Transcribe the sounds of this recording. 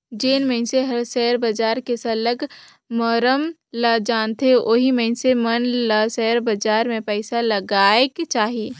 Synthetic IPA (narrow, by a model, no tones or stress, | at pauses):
d͡ʒeːnmə̃ɪ̃nseɦɐɾsɛːɾbɐd͡ʒaːɾkesɐləɡ | məːɾəm | lad͡ʒaːnt̪ʰeʔoːɦimɛ̃ɪ̃nsemɐnlasɛːɾbɐd͡ʒaːɾmẽpɛːsalɐɡaːekt͡ʃaːɦieː